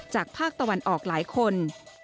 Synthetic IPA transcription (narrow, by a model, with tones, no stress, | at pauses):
t͡ɕaː˨˩k̚pʰaː˥˩k̚t̪a˧wa˧nʔɔː˨˩k̚laː˩˦jkʰo˧n